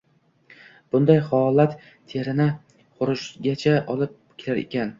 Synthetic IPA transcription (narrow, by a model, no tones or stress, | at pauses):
b̥ʊnd̪ajhɒlˠat̪ːʰ | eɾɪnɪ | qʊɾʊʃɡʲat͡ʃʰaʔɒlˠɪp̚ | kʲʰelaɾḛkʲʰan